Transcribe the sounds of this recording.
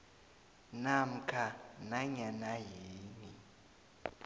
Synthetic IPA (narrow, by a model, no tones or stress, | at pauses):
nam̩kʰanaɲanajeːni